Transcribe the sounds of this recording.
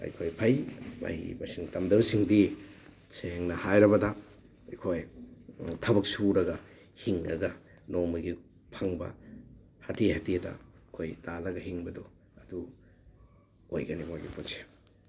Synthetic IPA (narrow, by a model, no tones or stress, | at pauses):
ɐ̰jkʰojpʰajma̰hḭbɐsiŋtɐmdɐwsiŋdi | seŋnɐhajɾɐbɐdɐ | ɐjkʰoj | tʰɐbɐk̚suɾɐɡɐ | hiŋɐ̰ɡɐ | nomɐɡi | pʰaŋbɐ̰ | hɐtihatiɐdɐ̰kʰojtalɐɡɐɦiŋbɐdo | ɐdu | o̰jɡɐnimojɡipʰonse̥